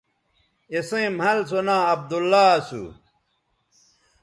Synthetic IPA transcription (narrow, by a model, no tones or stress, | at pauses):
esẽmhɐlsonãːɐb̚d̪ulːaːsṵ